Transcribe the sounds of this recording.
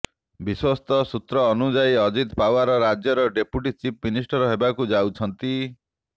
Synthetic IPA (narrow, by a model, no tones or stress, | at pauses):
biswɔst̪ɔsut̪ɾɔːnud͡ʒajɔd͡ʒit̪pawaɾɔɾad͡ʒjɔɾɔɖepuʈit͡ʃipminisʈɔɾɔɦebakud͡ʒawt͡ʃʰɔnt̪i